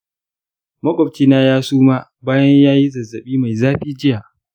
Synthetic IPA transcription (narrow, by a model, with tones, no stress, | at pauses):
mɐ˦kʷʼɔ˨bt͡ʃiː˦naː˦jaː˦suː˦maː˦ | baː˦jɐ˦ɲjaː˦ji˦zɐ˨zːɐ˨ɓiː˦ma˨jzaː˦ɸiː˦d͡ʒɪ˦jaː˨ʔ